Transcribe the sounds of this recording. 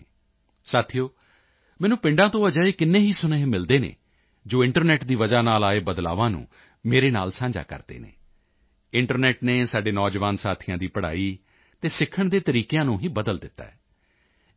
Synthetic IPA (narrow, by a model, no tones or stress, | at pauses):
saːt̪ʰijoː | mɛ̃ːnũːpɪ̃ɳɖãːt̪õːəd͡ʒaːeːkɪnːẽːɦiːsʊneːmɪld̪eːnḛː | d͡ʒoːɪ̃ɳʈəɾnɛːʈd̪iːʋəd͡ʒaːnaːlaːeːbəd̪la̰ːʋãːnṵ̃ː | meːɾeːnaːlsãːɲd͡ʒa̰ːkə̰ɾd̪ḛːnḛː | ɪɳʈəɾnɛːʈneːsaːɖeːnɔːd͡ʒʋaːnsaːt̪ʰɪjãːd̪iːpəɽa̰ːiː | t̪eːsɪkʰːəɳd̪eːt̪əɾiːkejãːnũːɦiːbəd̪əld̪ɪt̪ːa̰ːɛː